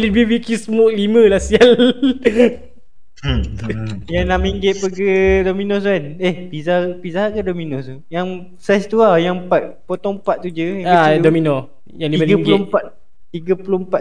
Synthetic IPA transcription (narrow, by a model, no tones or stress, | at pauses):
libibikisəmʊʔlimə̃lasial | janamiŋɡɪt̪̚pəɡədominos̬anehpizapizaɦaʔkadominɔsu | jaŋ | sast̪uajaŋmpat̪̚pot̪ɔŋmpat̪̚ːud͡ʒəjaŋadominɔ | jaŋliiaɡaŋpuʊmat̪ | t̪iɡəpulompa